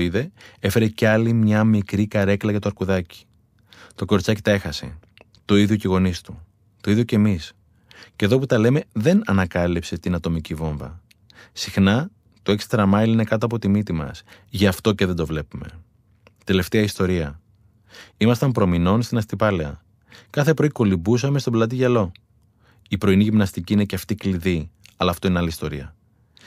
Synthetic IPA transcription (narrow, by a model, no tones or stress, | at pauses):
iðe̞e̞fe̞ɾe̞ceɐlimɲɐmikɾikɐɾe̞klɐʝɐt̪oɐɾkuðɐci̥ | t̪o̞ko̞ɾt͡sɐcit̪ɐe̞xɐse̞̰ | t̪o̞iðʝociɣo̞nist̪u | t̪oiðjoce̞mis | ce̞ðo̞put̪ɐle̞me̞ðe̞nɐnɐkɐlipse̞t̪inɐt̪o̞micivo̞ɱvɐ̰ | sixnɐ | t̪o̞e̞kst̪ɾɐmɐiline̞kɐt̪oɐpo̞t̪imit̪imɐ̰sʝɐːft̪o̞ce̞ðend̪o̞vle̞pume̞̰ | t̪e̞le̞ft̪e̞ɐist̪o̞ɾiɐ | imɐst̪ɐmpɾo̞mino̞nst̪inɐst̪ipɐleɐ | kɐθe̞pɾo̞iko̞libus̬ɐme̞st̪o̞blɐt̪̬iʝɐlo̞ | ipɾo̞iniʝimnɐst̪iciːine̞ceɐft̪ikliðiɐlɐːft̪oineɐlist̪o̞ɾiɐ